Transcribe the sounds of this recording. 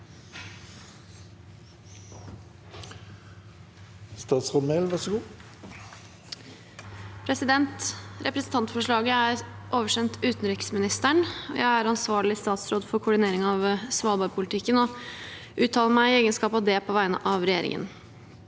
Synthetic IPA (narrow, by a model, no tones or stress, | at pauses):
st̪ɑːt̪sʁɔd̪mɛlʋɑʁsɔɡuː | pʰɾɛsɪd̪ɛnt̪ɾʔɛpɾɛsn̩t̪ʰɑnt̪fɔʂɭɑːɡəæɾʔoːʋəʂɛnt̪ʉːt̪n̩ɾɪksmɪnɪst̪æɳɔ̰jʔæɪæɾɑnsʋɑːɭɪst̪ɑːt̪sɾoːd̪fɔɾkʰʊɖɪneːɾɪŋɑʋsʋɑːlbɑːɾpʰʊlɪt̪ʰɪkːənɔ | ʔʉːt̪ʰːɑːləɾmæɪeːɡənskɑːpɑʋd̪ɛpʰɔʋæɪnə̰ʔɑʋɾɛjeːɾɪ̰ŋʔə̰n